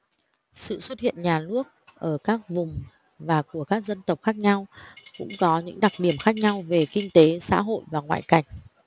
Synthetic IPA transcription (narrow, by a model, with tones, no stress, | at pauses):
sɨ̰˧˨swə˦˥t̚hḭ˧˨ənɲaː˨˩nɨ˦˥ək̚ʔəː˧˩kaː˦˥k̚vʊ˨˩ŋ͡m | vaː˨˩ku˧˩əkaː˦˥k̚zə˧nt̪ə˨˩wp̚xaː˦˥k̚ɲa˧wkʊ̰˧˥ŋ͡mkɔ˨˦ɲɨ̰˧˥ŋɗa˨˩k̚ɗi˧˩əmxaː˦˥k̚ɲa˧wve˨˩kï˧ŋ̟t̪e˨˦sa̰ː˧˥ɦo̰˧˨jvaː˨˩ŋwa̰ː˧˨jka˧˩jŋ̟